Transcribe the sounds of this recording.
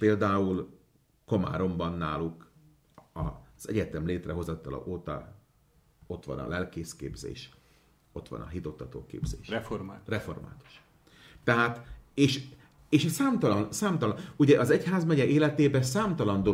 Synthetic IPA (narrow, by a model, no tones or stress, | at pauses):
peːld̪aːul | ko̞ma̰ːɾo̞mbɒnːa̰ːluk | ɒ̰z̥ɛɟɛt̪ɛmleːt̪rɛɦo̞zɒt̪ːɒlɒ̰ʔoːt̪ɒ̰ | o̞t̪ʋɒ̰nɒ̰lɛlkeːskḛːbzḛːʃ | o̞t̪ʋɒ̰nɒ̰ɦit̪o̞t̪ːɒt̪o̰ːkḛːbzeːʃrɛfomat̪rɛfo̞rma̰ːt̪u̥ʃ | t̪ːɛɦaːt̪eːʃ | eːʃsaːmt̪ɒlɒnsaːmt̪ɒluɟɛʔɒzɛchaːzmɛɟɛʔeːlɛt̪eːbɛsaːmt̪ɒlɒnd̪o